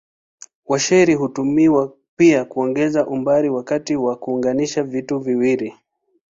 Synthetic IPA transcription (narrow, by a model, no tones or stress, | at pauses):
waʃɛɾiɦutumiwa | piakuɔŋɡɛzaʔumbaɾiwakatiwakuːŋɡaniʃavituviwiɾi